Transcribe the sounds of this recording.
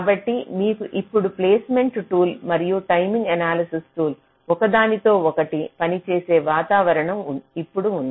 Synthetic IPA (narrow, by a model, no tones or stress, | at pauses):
kaːbɐʈːimiːkuʔipːuɽupleːsme̞ɳʈʈuːlmɐɾijuʈɐjmĩŋɡɐnaːlɐsisʈuːl | ɔkɐd̪aːnit̪o̞ːɔkɐʈipɐnit͡ʃeːse̞ːʋaːt̪aːʋɐɾɐɳɐmipːuɽuund̪